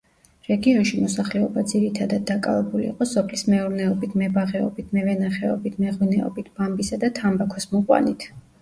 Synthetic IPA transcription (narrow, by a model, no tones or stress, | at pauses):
ɾɛɡiɔnʃimɔsaχlɛɔbad̪ziɾit̪ʰad̪ad̪̚ːakʼa̰vɛbulḭːqʼɔsɔpʰlismɛuɾnɛɔbit̪ʰmɛbaʁɛɔ̰bit̪ʰmɛvɛnaχɛɔ̰bit̪ʰmɛʁwinɛɔ̰bit̪ʰb̥ambisad̪at̪ʰambakʰɔsmuqʼwa̰nit̪ʰ